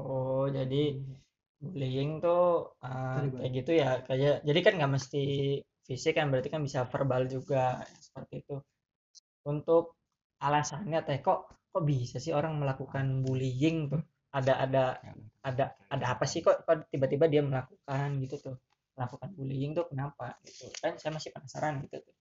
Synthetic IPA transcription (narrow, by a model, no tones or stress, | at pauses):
od͡ʒadi | bulijɪŋt̪ʊəaɡit̪ujakad͡ʒad͡ʒadikanɡaʔməst̪i | fisɪkːanbəɾat̪ikanbisafərbald͡ʒuɡajasə̥pərt̪iːt̪u | unt̪ʊk̚ | alasanɲat̪ajakɔʔkɔʔbisasɪhoɾaŋməlakukanbulijɪŋt̪ʊh | adaʔa̰daadaːdaːpasɪhkoʔkaʔt̪ibat̪ibadiaməlakukanɡit̪ut̪ʊh | məlakukanbulijɪŋt̪ʊhkənapaɡit̪ukansajamasɪhpənasa̰ɾanɡit̪ut̪ʊ̥h